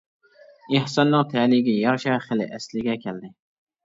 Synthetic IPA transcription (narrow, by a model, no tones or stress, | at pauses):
ɪhsɑnːɨŋt̪ʰɛlɪɡʲɛjɑɾʃɛχelɪ̰ʔɛslɪɡʲɛkʲʰɛld̪ɪ